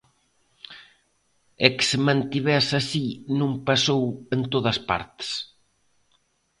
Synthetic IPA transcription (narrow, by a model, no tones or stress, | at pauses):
ɛksɪmãnt̪iβɛsasinũŋpasowent̪oðɐspa̰ɾt̪e̥s